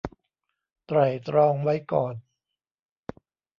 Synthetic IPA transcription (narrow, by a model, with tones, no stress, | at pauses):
t̪ɾa˨˩jt̪ɾɔː˧ŋwa˦˥jkɔː˨˩n